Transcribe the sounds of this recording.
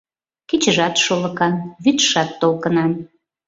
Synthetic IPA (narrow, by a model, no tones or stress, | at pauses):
ket͡ɕəʒɑt̪ʃolə̆kɑnβyt̪ʃɑt̪ːolkənɑn